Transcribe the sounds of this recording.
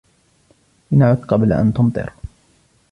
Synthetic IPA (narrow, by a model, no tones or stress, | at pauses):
ɪnaʕʊd̪qɑblʔa̰nt̪ʊmt̪ˤɨ̰ɾ